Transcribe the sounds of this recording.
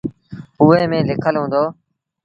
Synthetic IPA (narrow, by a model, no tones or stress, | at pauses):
ɦuːeːmẽːlɪkʰəlɦũːnd̪oː